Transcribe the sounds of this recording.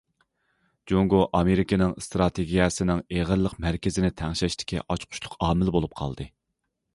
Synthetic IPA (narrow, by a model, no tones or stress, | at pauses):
d͡ʒoŋɡoʔɑmeɾikʲinɪŋst̪ɾɑt̪ʰeɡʲijɛsɨnɪŋeʁəɾlˠːəqmæɾkʲɪzɪnɪt̪ʰæŋʃɛʃt̪ʰɪ̥kʲʰḭʔɑt͡ʃqʰʊ̥ʃlˠʊqɑːmɪlbolˠup̚qʰɑ̰lˠd̪ɨ